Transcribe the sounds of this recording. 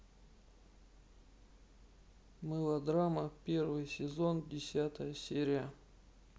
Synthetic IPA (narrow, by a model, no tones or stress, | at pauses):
mɨlˠɐd̪ɾaməpʲervɨjsʲɪzo̞ndʲɪsʲat̪əjəsʲeɾʲɪjə